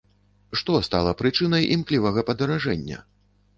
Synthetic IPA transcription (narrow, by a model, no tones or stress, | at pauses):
ʂt̪ɔst̪a̰lˠɐpɾɨt͡ʂɨnɐjʔimklʲivɐɣɐpɐd̪ɐɾaʐɛnʲːɐ̰